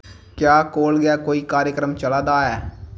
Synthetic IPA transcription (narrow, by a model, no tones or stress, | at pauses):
kjaːkoːlɡɪaːkoːiːkaːɾjəkɾəmt͡ʃəlaːd̪aːɦɛː